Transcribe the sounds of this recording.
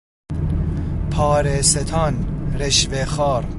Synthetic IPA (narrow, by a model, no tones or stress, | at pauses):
pʰɑːɾeset̪ʰɑnɾeʃvexɑːɾ